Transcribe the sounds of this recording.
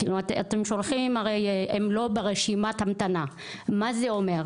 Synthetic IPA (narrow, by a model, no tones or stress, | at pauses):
kilumat̪at̪emʃolχimaʁejemlo̞beʁeʃimat̪hamt̪ana | mazeomeʁ